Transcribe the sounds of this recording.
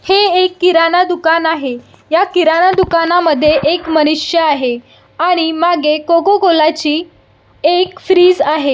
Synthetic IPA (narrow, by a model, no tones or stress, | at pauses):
heekːiɾanad̪ukanaɦe | jakiɾanad̪ukanaməd̪ʱːjeʔekmənuʂjəaɦe | aɽ̃imaɡekoɡoɡolat͡ɕiː | ekfɾiːd͡zaɦe